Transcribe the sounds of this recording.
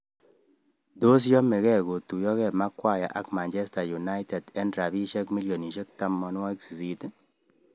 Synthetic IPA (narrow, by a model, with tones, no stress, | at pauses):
do˦s̬jɔ˦me˨kɛ˦˨ɡo˨tu˨jɔ˦kɛ˦˨ma˦kwa˦ja̰˨ʔa̰˨kma˨nt͡ʃɛ˦sta˨ju˨na˦jtɛ˨dɛ˦ndɾa˨bi˦ʃɛ˦kmi˦ljo˨ni˨ʃe˦k̚ta˦mːɔ˦n˦wa˦i˦ksi˨si˦t